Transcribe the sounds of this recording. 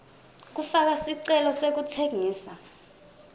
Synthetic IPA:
k̬ufak̬asiǀɛlɔsek̬utʰeŋiːsa

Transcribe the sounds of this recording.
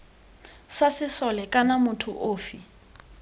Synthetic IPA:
sasɪsɔlɛkʼanamʊtʰʊ̰ʔoːfi

